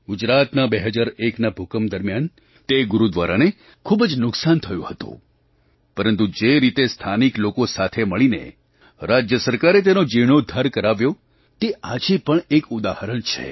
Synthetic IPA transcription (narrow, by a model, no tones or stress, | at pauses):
ɡʊd͡ʒɾat̪nabeɦəd͡ʒaɾeknabʱukəmd̪əɾmjan | t̪eɡʊɾud̪ʋaɾane | kʰubd͡ʒnʊksant̪ʰəjṵ̃hət̪ṵ̃ | pəɾənt̪ud͡ʒeɾit̪est̪ʰaniklokosat̪ʰeməɭinḛ | ɾad͡ʒjəsəɾkaɾet̪̬enod͡ʒiʋɽ̃od̪ʱəɾkəɾaʋjo | t̪eʔad͡ʒipəɳekʊd̪ahəɾəɳt͡ʃʰḛ